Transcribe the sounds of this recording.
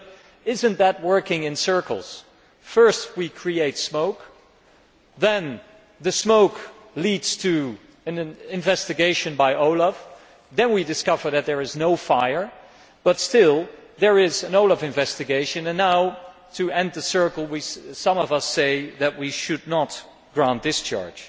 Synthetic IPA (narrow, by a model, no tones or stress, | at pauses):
ɪzɨ̃nðət̚wɜ˞kɪ̃ŋɨ̃nsɜ˞kl̩ˠz̥ | fɜ˞st̚wikʰɹ̥ieɪtsmoʊk | ðɨ̃n | ðɨsmoʊk | lidz̥tʰɨ | ɨ̃nɪ̃ɱvɛstɨɡeɪʃɨ̃nbaɪʔoʊlˠʌv̥ | ðɨ̃nwidɨskʌvə˞ðɨt̪̚ðə˞ɨznoʊfaɪə˞ | b̥ʌtstɪlˠðə˞ɪzɨ̃noʊlʌvɨ̃ɱvɛstɨɡeɪʃɨ̃nɨ̃nːaʊ | tʰɨɛ̃nd̪̚ðɨsɜ˞kl̩ˠwisʌ̃mʌvʌseɪðɨt̚wiʃɨdⁿnət̚ | ɡ̥ɹãnt̪̚ðɪst͡ʃɑ̰ɹd̥ʒ̥